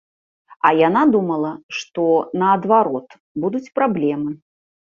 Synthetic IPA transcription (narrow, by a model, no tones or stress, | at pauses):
ɐjanad̪umɐlˠɐʂt̪ɔnɐːd̪vaɾɔt̪ | bud̪ut͡sʲpɾablʲɛmɨ